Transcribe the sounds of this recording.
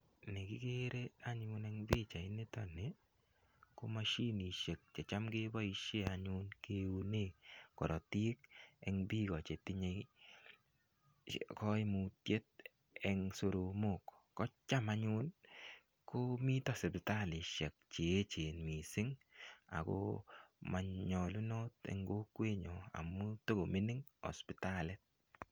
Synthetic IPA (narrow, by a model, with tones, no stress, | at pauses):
ne˨kɪ˦ke˦ɾe˦a˦ɲʊ˦nɛ˦ŋbi˦t͡ʃa˨ɪ˦ne˦tɔ˦ne˨ | ko˦ma˦ʃi˦ni˨ʃe˨k̚t͡ʃɛ˨t͡ʃa˦mkɪ˦bɔ˦i˧ʃe˦a˨ɲʊ˦nke˦u˧ne˨kɔ˨ɾɔ˨ti˦kɛ˦ŋbi˦kɔ˨t͡ʃe˨tɪ˦ɲe˨ | kɔ˦ɪ˦mu˨tje˦t̚ | ɛ˨ŋso˨ɾo˨mo˨kː | ɔ˦t͡ʃa˦ma˦ɲʊ˦n | ko˦mi˦tɔ˦spɪ˨ta˦lɪ˨ʃɛ˨k̚t͡ʃeː˨˦t͡ʃe˨nmi˨sɪ˦ŋa̰˨ko̰˦ma˨ɲɔ˨lu˦no˦tɛ̰˦ŋɡo˦kwe˦ɲɔ˨a̰˨mːu˦to˦ɡo˨mi˦nɪ˦ŋɔ̰˨spɪ˨ta˦lɛ˦t̚